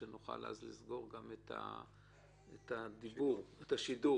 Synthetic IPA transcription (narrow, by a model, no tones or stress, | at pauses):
enuχa̰la̰zlizɡo̞ʁɡamet̪ʰa̰ | et̪ʰad̪ibuʁetaʃidu